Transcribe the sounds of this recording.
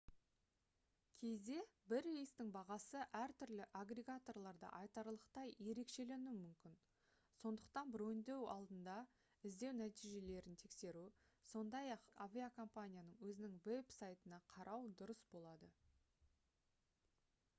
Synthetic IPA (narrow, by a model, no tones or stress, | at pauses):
kʲʰe̞zd̪e̞bɪɾijst̪ɪŋbɑʁɑsəʔæɾt̪ʰʏɾlɪʔaɡreɡat̪o̞rlˠɑɾd̪ɑ̰ʔɑjt̪ɑɾlˠəqt̪ɑjje̞ɾe̞kʃe̞le̞numʏmkʲɪn | so̞nd̪əq̚t̪ɑnbɾɵjnd̪e̞wɑ̰lˠd̪ənd̪ɑ | ɪzd̪e̞wnæt̪ijʒe̞le̞ɾɪnt̪ʰe̞kse̞ɾu | so̞nd̪ɑjɑqavʲiakʰo̞mpanʲijanəɴwɵzɪnɪŋve̞bsajt̪ənɑqʰɑɾʔɑwd̪ʊɾəsbo̞lˠɑd̪ə